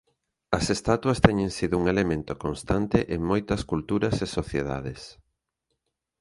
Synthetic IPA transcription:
ɐsest̪at̪wɐst̪ɛɲẽŋsiðʊuŋelemẽnt̪okonst̪ant̪eʔeŋmojt̪ɐskult̪uɾɐsesoθjeða̰ðes

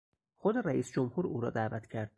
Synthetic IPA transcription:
xod̪eɾæʔiːsd͡ʒomhuːɾuːɾɒ̰ːd̪æːvæt̪ʰcʰæɾd̪̚

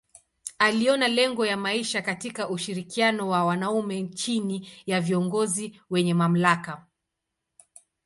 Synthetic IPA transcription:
aliɔnalɛŋɡɔjamaiʃakatikaʔuʃiɾikianɔwawanaumɛnt͡ʃinijaviɔŋɡɔziwɛɲɛmam̩laka

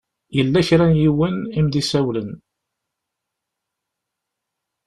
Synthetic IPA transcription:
jəlːæçɾænjiwənimðisæwlən

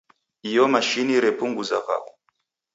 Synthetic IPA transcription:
ijɔmaʃiniɾɛpuŋɡuzaka̰ku

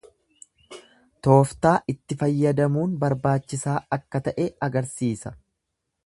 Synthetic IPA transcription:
t̪o̞ːft̪aːʔɪt̪ːɪfɐjːɐd̪ɐmuːnbɐɾbaːt͡ʃːɪsaːɐkːɐt̪ɐʔɛɐɡɐɾsiːsɐ

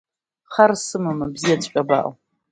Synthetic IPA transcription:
χɐrsɨmɨmɨbziɛt͡sʼɕʷʼɐba̰ːʔ

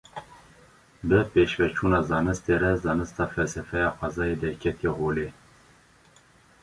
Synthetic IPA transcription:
bəpeːʃvɛt͡ʃʰuːnɑːzɑːnɨst̪eːɾɛzɑːnɨst̪ɑːfɛlsɛfɛjɑːxʷɑzɑːjed̪ɛkʰɛt̪ieːɦoːleː

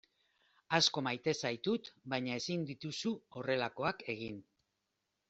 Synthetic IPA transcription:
asko̞majt̪e̞sajt̪ut̪bajɲae̞sind̪it̪usuo̞re̞lako̞ake̞ɣ̞in

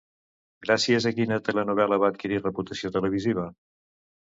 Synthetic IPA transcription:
ɡɾasiəzəkinət̪ələnuβɛləβ̞aət̪̚kiɾirəput̪əsiot̪ələβ̞iziβ̞ə

